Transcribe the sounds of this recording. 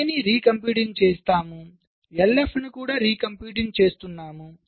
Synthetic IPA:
eniɾiːkɐmpjuːʈiŋt͡ʃeːst̪aːmu | elːefnukuːɽaːɾiːkɐmpjuːʈ̬iŋt͡ʃe̞ːst̪unːaːmu

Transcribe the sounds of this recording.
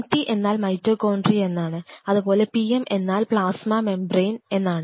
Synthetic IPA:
ʈːiʔe̞nːaːlmɐjtroːkoːɳɖrie̞nːaːɳɨɐðupo̞ːle̞piemʔe̞nːaːlpɭaːsmɐme̞mbrejne̞nːaːɳɨ

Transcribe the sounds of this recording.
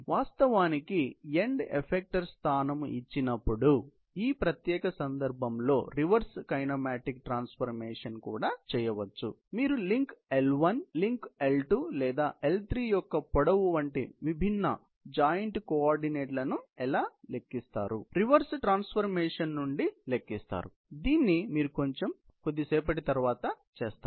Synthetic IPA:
ʋaːst̪ɐʋaːnikieɳɖḛpʰek̚ʈɐɾst̪ʰaːnɐmit͡ʃːinɐpːuɽu | iːpɾɐt̪jɛːkɐsɐnd̪ɐɾbʱɐmlo̞̰ːɾiʋɐɾskɐjnɐmaːʈikʈɾaːnspʰɐɾmeːʂɐnkuːɽaːt͡ʃɛːjɐʋɐt͡ʃːṵ | miːɾuliŋkelʋɐnliŋkelʈulɛːd̪aːʔelt̪ɾiːjɔkːɐpɔɽɐʋuʋɐɳʈḭʋibʱinːɐ̰ | d͡ʒaːjɐɳʈkoaːɾɖineːʈlɐnuɛlaːle̞kːist̪a̰ːɾuɾiʋɐɾsʈɾaːnspʰɐɾmeːʂɐnːuɳɖilekːist̪a̰ːɾu | d̪iːnːimiːɾuko̞ɲt͡ʃe̞m | kod̪ːisɛːp̬ɐʈit̪ɐɾʋaːt̪ɐ | t͡ʃeːst̪a

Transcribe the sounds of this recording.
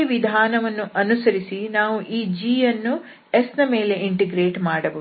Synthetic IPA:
iʋid̪ʱaːnɐʋɐnːuʔɐnusɐɾisinaːʋuʔiːd͡ʒiːjɐnːu | esnɐme̞ːle̞iɳʈeɡɾeːʈmaːɽɐbɐ

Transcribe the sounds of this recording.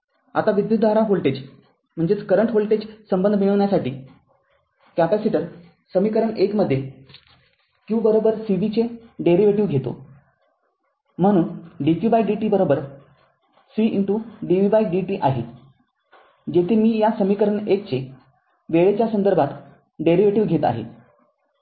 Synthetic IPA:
a̰t̪aʋid̪jut̪̚d̪ʱaɾaɦolʈed͡ʑ | m̤əɳd͡zet͡skəɾəɳʈɦolʈed͡ʑsəmbənd̪ʱmiɭ̃əʋɳjasaʈiː | kæpæsiʈəɾ | səmikəɾəɳekməd̪ʱːje | kiũwbəɾobəɾsiʋit͡seɖeɾiʋeʈiʋɡʱet̪o̰ | m̤əɽ̃uːnɖikjubajɖiʈiːbəɾobəɾ | siʔiɳʈuɖiʋiʋajɖiʈiːʔaɦḛ | d͡ʑet̪ʰimiːjasəmikəɾəɳek̚t͡se | ʋeɭet͡ɕjasənd̪əɾbʱat̪ | ɖeɾiʋeʈiʋɡʱet̪a̰ɦḛ

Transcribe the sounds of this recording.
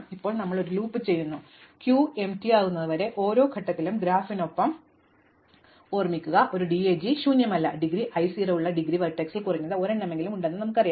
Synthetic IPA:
ipːo̞ːɭnɐmːɐɭo̞ɾuluːpːɨt͡ɕe̞jːunːu | kjuːe̞mtiaːɣunːɐðɨʋɐɾe̞ʔo̞ːɾo̞ːkʰɐʈːɐt̪ːilumɡɾaːfino̞pːɐm | o̞ːrmikʲːuɣɐʔo̞ɾuɖieːd͡ʑiɕuːɲjɐmɐlːɐɖiɡɾiʔɐjsirɐuɭːɐɖiɡriʋɐʈːeksilkurɐɲːɐðɨo̞ːɾɐɳːɐme̞ŋɡilumuɳɖenːɨnɐmukːɐrɐja

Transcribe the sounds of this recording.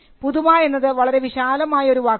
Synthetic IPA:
puðumaːe̞nːɐðɨʋɐɭɐɾe̞ʋiɕaːlɐmaːjɐo̞ɾuʋaː

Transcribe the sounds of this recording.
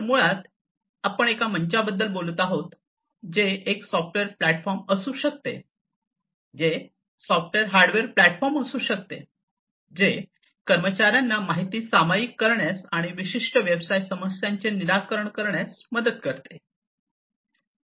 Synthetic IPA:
səmuɭat̪ | apəɳ̃ekaməɲt͡ɕabəd̪ːəlbolət̪aɦot̪ | d͡ʑeeksɔfʈʋeɾplæʈfɔɾməsuːɕək̚t̪ḛ | d͡ʑe | sɔfʈʋeɾɦaɾɖʋeɾplæʈfɔɾməsuːɕək̚t̪ḛ | d͡ʑe | kəɾmət͡ɕaɾjanːamaɦit̪iːsamajikːəɾɳjasaɽ̃iʋiɕiʂʈəʋjəbsaisəməsjaɲt͡ɕeniɾakəɾəɳkəɾɳjasməd̪ət̪kəɾt̪e

